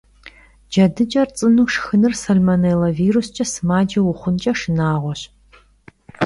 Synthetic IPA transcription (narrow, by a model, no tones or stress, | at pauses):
d͡ʒɐdɨd͡ʒʼɐrt͡sʼɨnuːʂxɨnɨrsɐlmɐnelɐviːɾust͡ʃʼɐsɨmaːd͡ʒɐwʊχʷʊnt͡ʃʼɐʂɨnaːʁʷɔɕ